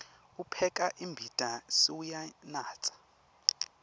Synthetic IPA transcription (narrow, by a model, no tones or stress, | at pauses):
upʰɛk̬ʼaʔimbʱitʼasiwujanaːt͡sʼḁ